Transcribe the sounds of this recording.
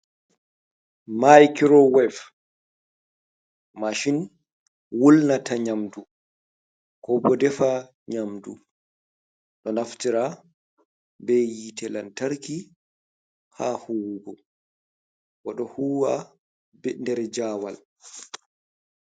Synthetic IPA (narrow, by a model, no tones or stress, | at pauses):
majkɾɔwɛf | maʃin | wulnataɲamdu | kɔbɔdɛfa | ɲamdṵ | ɗɔnaftiɾa | bɛjitɛlantaɾki | hahuwɡɔ | waɗɔhuwa | bɛndɛɾɛd͡ʒaːwal